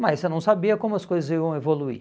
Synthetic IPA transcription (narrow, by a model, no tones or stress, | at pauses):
mɐsenɐ̃w̃sabiɐkõmʊɐskojzɐzivɐ̃w̃evoluḭ